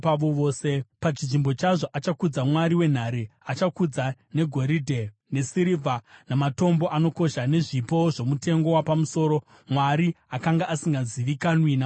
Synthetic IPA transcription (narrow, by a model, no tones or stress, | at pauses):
paʋoʋoːse̞pat͡ʃiʐimbo̞t͡ʃaʐoʔat͡ʃakud͡zamwaɾiwe̞n̤aɾeat͡ʃakud͡zane̞ɡʱo̞ɾidʱe | ne̞siɾivʱanamato̞mbo̞ʔano̞ko̞ʃane̞ʐipo̞ʐo̞mute̞ŋɡo̞wapamuso̞ːɾo̞ | mwaɾiakaŋɡaʔasiŋɡaziʋikanwina